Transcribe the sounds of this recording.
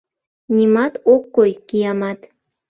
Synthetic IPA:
nʲimɑt̪okːojkijɑmɑt̪

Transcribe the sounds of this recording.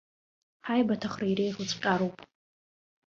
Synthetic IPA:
ħajbatʰaχraiɾejχut͡sʷʼqʲʼaɾowpʼ

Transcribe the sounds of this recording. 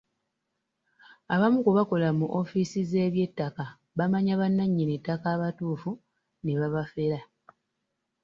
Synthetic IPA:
aβamukuβako̞lamuʔo̞fisize̞ːβje̞tːaka | βamaɲaβanːaɲːinetːakaːβatuːfu | neβaβafe̞ɾa

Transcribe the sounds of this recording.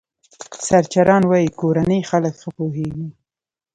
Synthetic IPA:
saɾt͡ʃaɾɑnwɑjikoɾanəjxaləkxəpoɦeɡi

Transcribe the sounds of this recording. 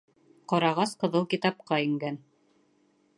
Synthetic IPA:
qɑɾɑʁɑsqɤ̆ðɤlˠkʲit̪ɑp̚qɑĭŋɡæn

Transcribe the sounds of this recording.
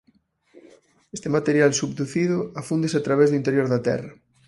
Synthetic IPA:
est̪emat̪eɾjalsubd̪uθiðʊafund̪eseat̪ɾaβ̞ezðuint̪eɾjoɾðɐt̪ɛ̰rɐ

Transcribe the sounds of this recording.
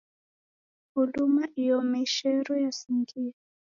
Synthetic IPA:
hulumaʔijɔmɛʃɛɾɔjasiŋɡia

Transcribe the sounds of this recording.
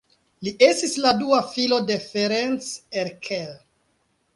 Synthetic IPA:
liʔe̞stisladuafilo̞de̞feɾent͡seɾkʰel

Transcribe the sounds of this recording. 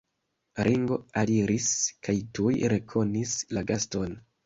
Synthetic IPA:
ɾʔiŋɡo̞̰aliɾiskajtujɾe̞kʰo̞nislaɡasto̞n

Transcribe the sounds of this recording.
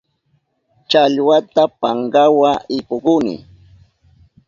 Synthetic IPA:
t͡ʃaʎwat̪apaŋɢawaɪpoɢʊnɪ̰

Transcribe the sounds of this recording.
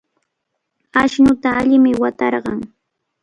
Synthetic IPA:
aʃnʊt̪aːʎɪmɪwat̪ɑɾɢɑŋ

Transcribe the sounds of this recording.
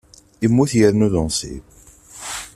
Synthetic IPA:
imːuθjəɾnuðənsḭb

